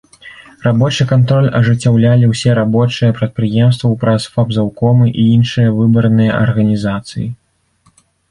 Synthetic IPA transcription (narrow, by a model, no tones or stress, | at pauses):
rabɔt͡ʂɨkant̪ɾɔlʲɐʐɨt͡sʲːawlʲalʲiwsʲɛɾabɔt͡ʂɨjɐpɾɐt̪̚pɾɨjɛmst̪vɐwpɾɐsfabzawkɔmɨʔiinʂɨjɐvɨbɐɾnɨjɐʔɐ̰rɣɐnʲizat̪sɨ̰ji